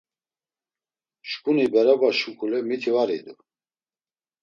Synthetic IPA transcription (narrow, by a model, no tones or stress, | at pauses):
ʃkʼunibɛɾabaʃukʼulɛmit̪ʰivaɾḭd̪u